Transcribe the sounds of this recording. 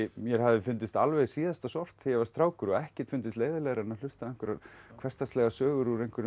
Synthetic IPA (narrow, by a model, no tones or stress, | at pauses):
mjɛɾ̥havðɪfʏnt̪ɪst̪alvɛjsiːðast̪asɔr̥t̪θɪjɛvaɾst̪ɾaːwkʏɾɔɣɛhcɪ̥t̪fʏnt̪ɪst̪leːjðɪlɛɣɾɛnːal̥ʏst̪aðɛŋkʏɾaɾkʰv̥ɛst̪ast̪lɛɣasœːɣʏɾuɾejŋkʰɪɾ